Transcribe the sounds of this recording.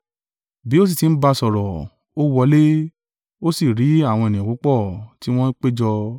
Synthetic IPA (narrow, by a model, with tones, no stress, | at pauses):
bi˨˦o˦s̬i˦˨ti˨˦n̩˦ba˧sɔ˨ɾɔ˨ | o˦wɔ˧˦le˦ | o˦si˨ɾi˨˦a˦˨w̃ɔ̃˧e˨nĩ˨u˨˦k͡pɔ˦˨ti˦w̃ɔ̃˦k͡pe˦d͡ʒɔ˧